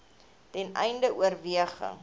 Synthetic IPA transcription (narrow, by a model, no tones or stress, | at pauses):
tɛnɛ̰jndəʔuərviəχə̰ŋ